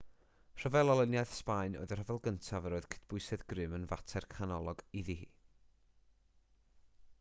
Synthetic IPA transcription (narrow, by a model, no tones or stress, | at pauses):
r̥ɔvɛlˠɔlˠənjajθspaɨno̰ɨðər̥həvɛlˠɡəntʰavəɾoːɨð̥kʰɪ̥db̥ʊɨsɛðɡrɨmənvatʰɛrkʰanɔlˠɔɡiðihiː